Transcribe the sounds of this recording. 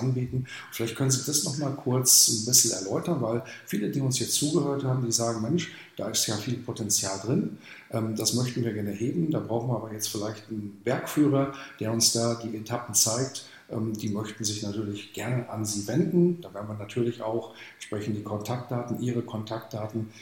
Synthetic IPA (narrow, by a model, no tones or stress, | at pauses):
ʔanbiːtn̩ | ʊfɪlaɪçt̚kʰœnənziːd̥asnɔχmaːlkʰʊɐt͡snbɪsn̩ɛ̰ɐlɔʏtɐnvaɪlfiːlədiːʊnshiːɐt͡suːɡəhøːɐthaːbm̩diːzaːɡŋ̩mɛnʃ | d̥a̰ːɪstjaːfiːlpʰotʰɛnt͡sjaːldʁɪn | ʔɛːmd̥asmœçtn̩viːɐɡɛɐnəɦeːbm̩daːbʁaʊxn̩viːɐaːbɐjɛt͡stfɪlaɪçtnvɛɐkfyːʁ̞ɐd̥eːɐʊnsd̥aːdiːʔetʰapn̩t͡saɪk̚t | ʔɛ̰ːmd̥iːmœçtn̩zɪçnatʰyːɐlɪçɡ̥ɛɐnəʔanziːvɛndn̩d̥aːvɛɐnviɐnatʰyːɐlɪça̰ʊxɛʃpʁ̥ɛçn̩td̥iːkʰɔntʰak̚t̚d̥aːtn̩ʔiːʁəkʰɔntʰak̚t̚d̥aːtn̩